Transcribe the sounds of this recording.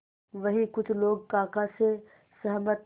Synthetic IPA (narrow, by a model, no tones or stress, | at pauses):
ʋɐɦikʊt͡ʃʰloːɡ̚kaːkase | sɐɦmət̪